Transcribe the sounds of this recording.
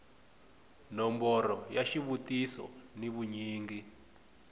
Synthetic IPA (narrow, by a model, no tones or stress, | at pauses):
nɔmbɔɾɔjaʃiβutisɔ̰niβuɲiːŋɡi